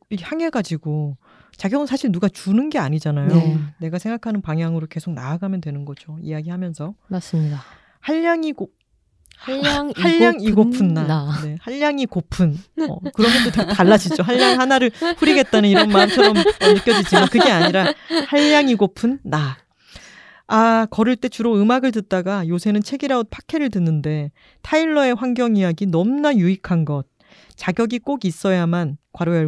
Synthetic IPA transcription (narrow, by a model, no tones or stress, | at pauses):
ihaŋe̞ɡad͡ʑiɡo | t͡ɕaɡjʌmɯnsʰaɕʰiɭnuɡat͡ɕunɯnɡe̞aɲid͡ʑanajone̞ɡasʰeŋɡakʰanɯnpaŋjaŋɯɾoke̞sʰok̚na̰ːɡamjʌntwe̞nɯnɡʌd͡ʑoḭjaɡihamjʌnsʰʌasmida | haʎːaŋiɡo | aʎːaŋiɡopʰɯnːane̞haʎːaŋikopʰɯnʌ̰kɯɾʌnɡʌt͈ottaɭːad͡ʑid͡ʑoɦaʎːaŋhanaɾɯɭɸuɾiɡe̞t̚t͈anɯniɾʌnmaɯmt͡ɕʰʌɾʌmnɯkjʌd͡ʑid͡ʑimankɯɡe̞aɲiɾahaʎːaŋiɡopʰɯnːa | akʌɾɯɭt͈e̞t͡ɕuɾoɯmaɡɯɭtɯt̚t͈aɡajosʰe̞nɯnt͡ɕʰe̞ɡiɾaonpʰḁkʰe̞ɾɯɭtɯnːɯnde̞ | tʰaiɭːʌe̞ɸwaŋɡjʌŋijaɡinʌmnajuikʰanɡʌt̚ | t͡ɕaɡjʌɡik͈oɡis͈ʌjamankwaɾo